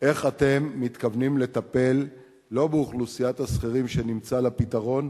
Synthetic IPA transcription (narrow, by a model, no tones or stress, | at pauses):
ʔe̞χat̪e̞mːit̪kavnimle̞t̪ape̞lː | o̞beuχlusijat̪hasχiʁimʃe̞nimt͡salapit̪aʁo̞n